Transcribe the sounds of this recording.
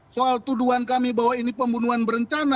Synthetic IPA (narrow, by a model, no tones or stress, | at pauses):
soalt̪uduankamibawainipəmbunuɦanbəɾəɲt͡ʃana